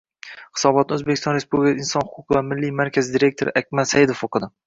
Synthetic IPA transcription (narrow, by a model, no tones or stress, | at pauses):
hɨ̥sɒbɒt̪̚naɵzbekʲɪst̪ɒnɾespublʲɪkʰʲaɪnsɒnhʊqʰʊqʰɨvamɪlːijmaɾkʲʰazɪd̪iɾe̞k̚ʲt̪ʰoɾɪʔakʲmat̪sajɪd̪ofoqʰɨd̪ɪ